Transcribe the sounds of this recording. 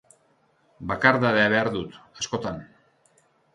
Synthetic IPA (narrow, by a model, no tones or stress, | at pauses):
bakaɾðaðeaβ̞e̞aɾðut̪asko̞t̪an